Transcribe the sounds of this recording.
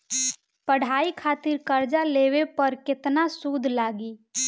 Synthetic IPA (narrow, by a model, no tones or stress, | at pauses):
pəɽ̤aːikʰaːt̪ɪɾkəɾd͡ʒaleːwepəɾkɪt̪nasuːd̪ʱlaːɡi